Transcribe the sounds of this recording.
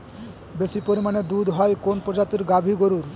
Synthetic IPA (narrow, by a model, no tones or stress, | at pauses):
besipoɾimaned̪ud̪ʱɦɔekonpɾɔd͡ʒat̪iɾɡabʱiɡoɾuɾ